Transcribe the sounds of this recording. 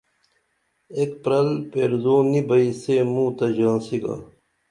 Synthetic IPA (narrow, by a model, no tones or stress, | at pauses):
ekpɾɐlpeːɾzoːnibɐisemũːt̪ɐd͡ʑãːnsiɡa̰